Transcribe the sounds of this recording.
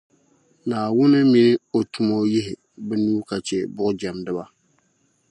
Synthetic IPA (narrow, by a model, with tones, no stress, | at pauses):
naː˨wʊ˦nɨ˦mi˨nɨ˦o˨tu˨mo˦jɪ˦ɦɪ˨ | bɨ˦nu˦ka˨t͡ʃɛ˨bʊ˦ʔʊ˦d͡ʒɛ˨mdɨ˦ba˦